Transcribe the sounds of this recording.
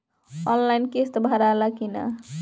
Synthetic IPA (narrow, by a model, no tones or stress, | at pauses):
ɔnlajnkest̪bʱaɾalakina̰